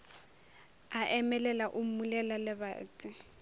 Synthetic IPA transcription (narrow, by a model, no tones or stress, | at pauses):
aʔɛmɛlɛlaʔʊmulɛlalɪba̰ːt͡sʼɪ